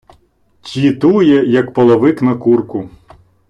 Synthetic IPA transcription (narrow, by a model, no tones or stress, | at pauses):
tʲit̪ujɛjɐkpɔlˠɔʋɪknɐkurkʊ